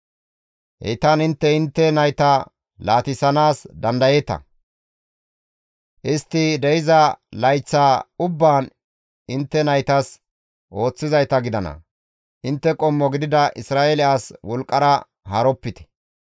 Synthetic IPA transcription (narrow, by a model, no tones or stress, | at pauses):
hɛ̰jt̪anɪnt̪ːɛɪnt̪ːɛnɐjt̪ɐ | laːt̪ɪsɐnaːsd̪ɐnd̪ɐjeːt̪ɐ̰ | ʔɪst̪ːɪd̪ɛjɪzɐlɐjt͡sːaːʊbːaːn | ɪnt̪ːɛnɐjt̪ɐs | ʔo̞ːt͡sːɪzɐjt̪ɐɡɪd̪ɐnɐ̰ | ʔɪnt̪ːɛkʼɔmːɔɡɪd̪ɪd̪ɐʔɪsɾaːelɪʔaːswɔlkʼːɐɾɐ | hɐɾɔpːɪt̪ɛ̥